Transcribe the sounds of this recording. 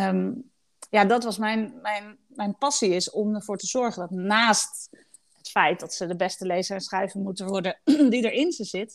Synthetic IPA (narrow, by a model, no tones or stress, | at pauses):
jaːdɑtʋɑsmɛjnmɛjn | mɛjnpɑsiɪsɔməɹv̥ʊːɹtəzɔɹχəndɑtnaːst | ɦətfɛjt̚dɑtsədəbɛstəlejzəɹɛnsχrɛjvənmutənʋɔɹdədidəɹɪnzəzɪt